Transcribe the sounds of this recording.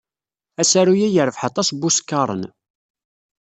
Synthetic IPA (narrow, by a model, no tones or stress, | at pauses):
æsæɾujæjəɾəfħɑt̪ˤɑsbuskːɑɾˤə̰n